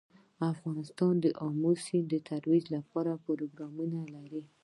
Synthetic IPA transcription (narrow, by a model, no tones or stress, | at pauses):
afɣɑnɪst̪ɑnd̪əʔɑmusind̪ət̪ʰaɾwid͡ʒlapɑɾapoɾoɡɾɑmunalaɾi